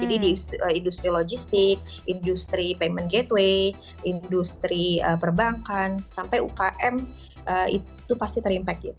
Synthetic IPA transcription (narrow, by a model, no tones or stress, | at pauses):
d͡ʒadidiəindust̪ɾilod͡ʒist̪ɪk̚ | indust̪ɾipemənɡet̪we | indust̪ɾiəpərbaŋkansampajṵkaʔɛm | ʔəḭ | t̪upast̪it̪ərimpɛk̪̚a̰